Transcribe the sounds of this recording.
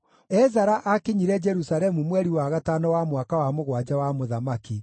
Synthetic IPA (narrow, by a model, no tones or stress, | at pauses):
ɛzaɾaʔakeɲiɾɛd͡ʒɛɾusaɾɛmumwɛɾiwaɣatanɔwamwakawamoɣwad͡ʑawamoðamaki